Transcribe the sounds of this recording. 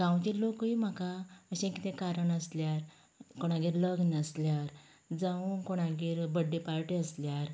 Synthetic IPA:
ɡ̥ãwt͡ɕilokim̤akaəɕɛ̃kit̪ʰẽkaɾəɳəsljaɾ | koɽ̃aɡiːɾləɡnəsljaɾ | d͡zãunkoɽ̃aɡiːɾbəɖːepaɾʈiəsljaɾ

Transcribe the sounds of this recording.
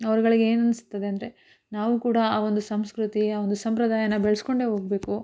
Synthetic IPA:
ɐʋɐɾɡɐɭiɡeeːnɐnisu̥t̪ːɐd̪eɐnd̪ɐɾe̞ | naːʋukuːɽɐaːʋo̞nd̪usɐmskɾut̪iaːond̪usɐmpɾɐd̪aːjɐnɐbɛɭɛsko̞ɳɖe̞ɦo̞ːɡ̚be̞ːku

